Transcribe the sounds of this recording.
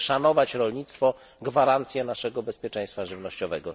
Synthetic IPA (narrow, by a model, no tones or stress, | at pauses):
ʂanɔvat͡ɕɾɔlɲit̪st̪fɔ | ɡvaɾant̪sʲjɛnaʂɛɡɔbɛspʲjɛt͡ʂɛ̃j̃st̪faʐɘvnɔɕt͡ɕɔvɛɡɔ